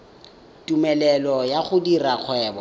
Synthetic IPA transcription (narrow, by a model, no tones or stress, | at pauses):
tʼumɛlɛlɔjaχʊdirak͡xʰwɛːbɔ